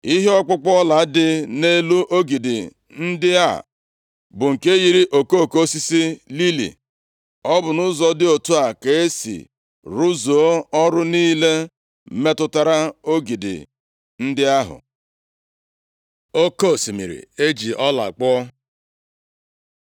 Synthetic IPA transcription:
i˦ɦe˦ɔ˦k͡pʊ˦k͡pɔ˦ɔ˦la˨˦dɪ˦ne˦lu˦ʔo˦ɡi˨dɪ˨ | n̩˦dɪ˦a̰˦˨ | bʊ˨ŋ̩˨ke˦ɣi˨ɾi˦ʔo˨ko˦˨ko˦si˦si˦li˦lḭ˨ | ɔ˦bʊ˨nʊ˦zɔ˨dɪ˦o˨tu˦a˨ke˨e˦sḭ˨ | ɾu˦zo˨o˦ɔ˦ɾʊ˦niː˦le˦ | me˦tʊ˦ta˨ɾa˦o˦ɡi˨dɪ̰˨ | n̩˦dɪ˦a˦ɦʊ̰˨ | o˦ko˦˨si˨mḭ˨ɾḭ˨e˦d͡ʒi˨ʔɔ˦la̰˨k͡pɔ˦ɔ˦

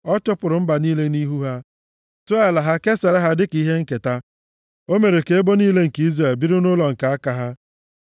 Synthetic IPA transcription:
ɔ˦t͡ʃʊ˦pʊ˨ɾʊ˨m̩˦ba˨niː˦le˦ni˦ɦu˦ɦa˦ | to˦a˦la˨ɦa˦ke˦se˨ɾa˦ɦa˦dɪ˦ki˦ɦe˦ŋ̩˦ke˨ta˦ | o˦me˨ɾe˨ke˨˦e˦bo˦niː˦le˦ŋ̩˨ki˦zɾe˨lbi˦ɾʊ˦nʊ˦lɔ˨ŋ̩˨ka˨a˦ka˦ɦa˦

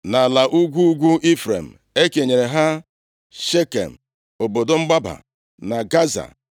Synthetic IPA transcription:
na˨la˨ʔu˦ɡʷu˦ɡʷu˦ʔi˦fɾḛ˨m̩˨ | e˦ke˨ɲe˨ɾe˨ɦa˦ | ʃe˦kḛ˨m̩˨ | o˨bo˨do˦ŋ͡m̩˦ɡ͡ba˦ba̰˨ | na˨ɡa˦za̰˨

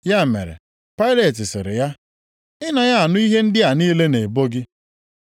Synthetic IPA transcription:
ja˦˨mḛ˨ɾḛ˨ | pa˦ɪ˦le˨tɪ˨sḛ˨ɾɪ̰˨ja˦ | ɪ˦na˨ja˦a˨nʊ˦i˦ɦe˦n̩˦dɪ˦a˨niː˦le˦ne˨bo˦ɡɪ˦

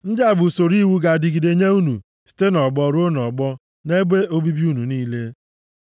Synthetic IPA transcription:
n̩˦dɪ˦a˨bʊ˨so˨ɾi˦wu˦ɡa˨dɪ˨ɡi˨de˨ɲe˦u˦nṵ˨ | si̥˨te˦nɔ˨ɡ͡bɔ˨ɾo˦nɔ˨ɡ͡bɔ˦ | ne˦ɡ͡be˦o˦bi˦bi˦u˦nu˨niː˦le˦

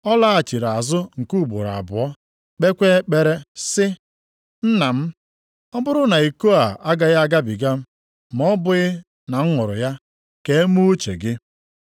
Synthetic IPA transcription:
ɔ˦la˦a˨t͡ʃi˨ɾa˨zʊ˦ŋ̩˨ku˦˨bʊ̰˨ɾa̰˨bʊ˨ɔ˦ | k͡pe˦kʷe˦k͡pe˨ɾe˦sɪ˦ | n̩˦na˨m̩˦ | ɔ˦bʊ˦ɾʊ˦na˨i˨ko˦a˨a˦ɡa˨ja˦a˦ɡa˦bi˨ɡa˦m̩˦ | m˨˦ɔ˦bʊ˨ɣɪ˦ | na˨ŋ̩˦ŋʊ˨ɾʊ̰˨ja˦ | ke˦e˦mu˦t͡ʃḛ˨ɡɪ˦

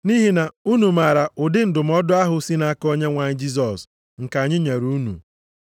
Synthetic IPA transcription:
ni˦ɦi˦na˨u˦nu˨ma˨ɾa˨ʊ˨dɪ˦n̩˦dʊ˨m̩˦ɔ˦dʊ˦a˦ɦʊ˨si˦na˦ko˦ɲe˦ŋʷa˨ɲɪ˦d͡ʒi˦s̬ɔ˨s | ŋ̩˨ka˨ɲɪ˦ɲe˨ɾu˦nṵ˨

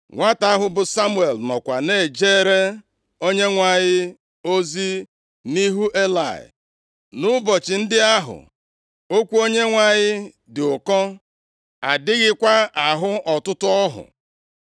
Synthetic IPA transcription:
ŋʷa˦ta˦ɦʊ˦bʊ˨sa˦mu˦e˨lnɔ˨kʷa˨ne˨d͡ʒe˦ɾe˦ | o˦ɲe˦ŋʷa˨ɲɪ˦ | o˦zi˦ | ni˦ɦu˦ʔe˦la̰˨ɪ̰˨ | nʊ˦bɔ˨t͡ʃɪ˨n̩˦dɪ˦a˦ɦʊ̰˨ | o˦kʷu˦o˦ɲe˦ŋʷa˨ɲɪ˦ | dɪ˨ʊ˨kɔ˦ | a˨dɪ˦ɣɪ˦kʷa˦a˨ɦʊ˦ʔɔ˨tʊ˦tʊ˦ɔ˦ɦʊ̰˨

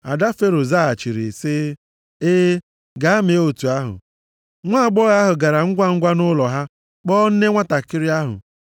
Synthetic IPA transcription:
a˨da˦fe˦ɾo˨za˦a˨t͡ʃi˨ɾi˨sɪ˦ | eː˦ | ɡa˨a˦me˨˦o˨tu˨a˦ɦʊ̰˨ | ŋʷa˦a˨ɡ͡bɔ˦ɣa˦ɦʊ˨ɡa˨ɾa˨ŋ̩˦ɡʷa˦ŋ̩˦ɡʷa˦nʊ˦lɔ˨ɦa˦ | k͡pɔ˦n̩˦ne˦ŋʷa˦ta˨kɪ˦ɾɪ˦a˦ɦʊ̰˨

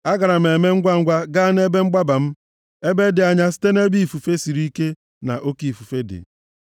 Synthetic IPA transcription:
a˦ɡa˨ɾa˨m̩˨e˨me˦ŋ̩˦ɡʷa˦ŋ̩˦ɡʷa˦ɡa˦n˦e˦be˦ŋ͡m̩˦ɡ͡ba˦ba˨m̩˦ | e˦be˦dɪ˨a˨ɲa˦sɪ̥˦te˦ne˦bi˦i˨fu˨fe˦si˨ɾi˦ke˦ | na̰˨ʔo˦ki˨i˨fu˨fe˦dɪ̰˨

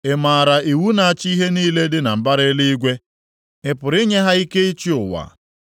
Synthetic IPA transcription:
e˨ma˨ɾa˨i˨wu˦na˨a˨t͡ʃi˦i˦ɦe˦niː˦le˦dɪ˦na˨m̩˨ba˦ɾɪ˦li˦i˦ɡʷe˦ | ɪ˦pʊ˨ɾɪ˦ɲe˦ɦa˦i˦ke˦i˦t͡ʃi˦ʊ˨wa̰˨

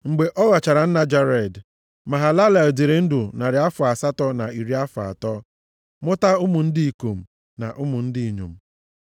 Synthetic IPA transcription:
ŋ͡m̩˨ɡ͡be˨ʔɔ˦ɣa˨t͡ʃa˨ɾa˨n̩˦na˦d͡ʒa˦ɾe˨d | ma˨ɦa˨la˦la˨di˨ɾe˨n̩˦dʊ˨na˨ɾɪ˨a˦fʊ˨a˨sa˦tɔ˦na˨i˨ɾi˦a˦fʊ˨a̰˨tɔ˦ | mʊ˦ta˦ʊ˦mʊ˨n̩˦di˦i˨ko˨m̩˨ | na̰˨ʔʊ˦mʊ˨n̩˦dɪ˦i˨ɲo̰˨m̩˦˨

